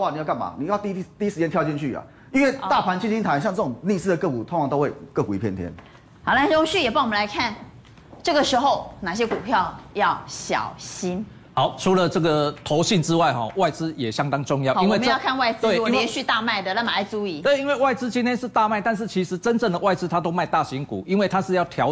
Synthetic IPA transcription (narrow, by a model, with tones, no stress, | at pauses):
wa˥˨˩ni˨jka˥˩nma̰˨˩ni˨jt̪i˧˥t̪i˥˧i˥ʂɻ̩˧t͡ɕjɛ˥nt̪ʰjʊt͡ɕi˥˧nt͡ɕʰy˥˨a̰˨ | i˥nwe˥˧ɪt̪a˥˩pʰa˧˥nt͡ɕʰi˥˧nt͡ɕi˥nt̪ʰa˧˦nɕjɑ˥˧ŋt͡sɤ˥˩ʈ͡ʂʊ˨˩ŋni˥˧sɹ̩˥˩də˩kɤ˥˩ku˨˩t̪ʰo˧˥ŋʰɑ˧˦ŋt̪o˥ʊwe˥˧ɪkɤ˥˩ku˨i˨˧pʰjɛ˥˨nt̪jɛ̰˦n | a˨˩la˥o˥ŋɕy˥˩jɛ˨˩pwɔ˨˩ə̃˨˧la˧ɪkʰa˥˩n | ʈ͡ʂɤ˥˩ɡə˨˩ʂɻ̩˧˥xo˥˧ʊna˨˩ɕ̬jɛ˦˥ku˨˩pʰjɑ˥˨ʊjɑ˥˨˩ʊɕjɑ̰˨˩ʊɕi˥n | ha˨˦ʊʈ͡ʂʰu˨˥lə˨ʈ͡ʂə˥˩ɡə˨t̪ʰo˨˧ʊɕi˥˨˩nʈ͡ʂɻ̩˦wa˥˩ɪxɔ˨˩wa˥˩ɪt͡sɹ̩˦jɛ˨˩ɕjɑ˦˥ŋt̪ɑ˥ŋʈ͡ʂʊ˥˧ŋjɑ˥˨ʊ˨i˥nwe˥˧˨m˦˥˧jkʰa˥˧nwa˥˧ɪt͡sɹe˥˩wɛ˧˥ɕy˥˧t̪a˥˧ma˥˩ɪd̪ə˨la˥˩ma˨˩a˧˥˩ɪt͡su˧˥i˨˩˦we˥˩ɪi˥nwe˥˧ɪwa˥˩ɪt͡sɹ̩˥t͡ɕi˥nt̪ʰjɛ˥nʂɻ̩˥˧t̪a˥˧ma˥˩ɪt̪a˥˧nʂ̬̩˥˩t͡ɕʰi˧˥ʂɻ̩˧˦˥ʈ͡ʂə˦˥nʈ͡ʂə˥˩ŋd̪ə˩wa˥˩ɪt͡s̩˦t̪ʰa˥t̪̬o˥ʊma˥˧ɪt̪a˥˨ɕi˨˥ŋkṵ˨˩i˦˥nwe˥˩ɪt̪ʰa˥ʂ̩˥˧jɑ˥˩ʊt̪ʰjɑ˨˧˥ʊ